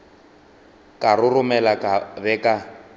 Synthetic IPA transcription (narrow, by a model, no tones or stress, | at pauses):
kʼarʊrʊmɛlakʼabɛkʼa